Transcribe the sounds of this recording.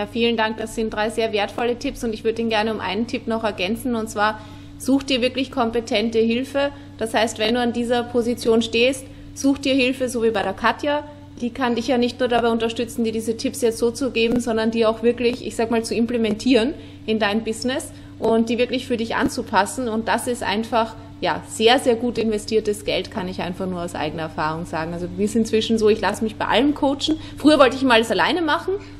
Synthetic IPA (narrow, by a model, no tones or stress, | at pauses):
jaːfiːləndaŋk̚d̥asz̥ɪnt̚d̥ʁaɪzeːɐveːɐtfɔlətʰɪpsʊntɪçv̥ʏɐdədiːnɡɛɐnəʊmʔa̰ɪnəntʰɪpnɔχɛɐɡɛnt͡sn̩ʊntt͡sv̥aːɐ | z̥uːxt̚d̥iːɐvɪɐklɪçkʰɔmpetʰɛntəɦɪlfə | d̥ashaɪstv̥ɛnduːandiːzɐpʰozit͡sjoːnʃteːst | z̥uːxt̚d̥iːɐhɪlfəzoːviːbaɪɾeːɐkʰatja | d̥iːkʰandɪçjaːnɪçtnuːɐɾabaɪʊntɐʃtʏt͡sn̩diːɐdiːzətʰɪpsjɛt͡stz̥oːt͡suɡeːbm̩zɔndɐndiːɐaʊxv̥ɪɐklɪçʔɪ̰çz̥aːɡəmaːlt͡suɪmplemɛntʰiːʁən | ɪndaɪnəmbɪznɛs | ʔʊntd̥iːvɪɐklɪçfyːɐdɪçʔa̰nt͡supʰasn̩ʊnt̚d̥asɪstʔa̰ɪnfaχ | ja̰ːz̥eːɐzeːɐɡuːtɪnvɛstʰiːɐtəsɡ̥ɛltkʰanɪçʔa̰ɪnfaχnuːɐaʊsʔa̰ɪɡənɐɛɐfaːʁ̞ʊŋz̥a̰ːɡŋ̩alzodisɪnt͡sv̥ɪʃn̩zoːɪçlasəmɪçb̥aɪʔa̰ləmkʰoʊt͡ʃn̩ | fʁ̥yːɐvɔltəɪçɪmaləsala̰ɪnəmaχn̩